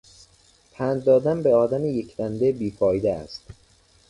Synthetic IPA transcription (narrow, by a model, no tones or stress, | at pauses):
pʰænd̪̚d̪ɒːd̪ænbeɒːd̪æmejekʰd̪ænd̪ebiːfɒːjd̪eæ̰st̪